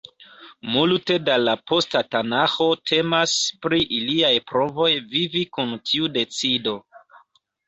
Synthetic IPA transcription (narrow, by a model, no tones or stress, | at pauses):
multe̞dalapo̞statanaxo̞tʰe̞maspɾiʔiliajpɾo̞vo̞jvivikuntʰiude̞t͡sido